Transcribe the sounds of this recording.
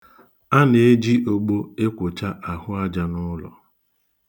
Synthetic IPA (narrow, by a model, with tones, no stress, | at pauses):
a˦ne˨e˦d͡ʒi˦ʔo˨ɡ͡bo˦e˦kʷʊ˨t͡ʃa˦ʔa˨hʊ˦a˦d͡ʒa˨nʊ˦lɔ̰˨